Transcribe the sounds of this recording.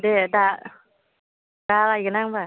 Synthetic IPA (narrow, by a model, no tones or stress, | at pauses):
deda | d̥alajɡɯənaŋba